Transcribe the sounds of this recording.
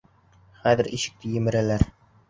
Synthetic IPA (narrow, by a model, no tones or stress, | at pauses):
χæðɘ̆ɾʔiʃɘ̥̆k̚t̪ɘjɘ̆mɘ̆ɾælæɾ